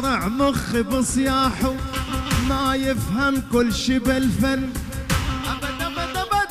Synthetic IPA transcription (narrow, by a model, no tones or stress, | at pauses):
ɾɑʕmʊɣːɪbɨsˤjɑːħu | majɪfhamkʊlːʃiːbɪlfanː | ʔ